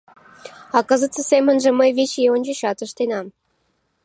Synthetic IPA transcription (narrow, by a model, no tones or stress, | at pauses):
ɑkɤ̆zə̆t̪t͡sə̆semə̆nʒĕməjβet͡ɕeonʲd͡ʑə̆ɕɑt̪ə̆ʃt̪enɑm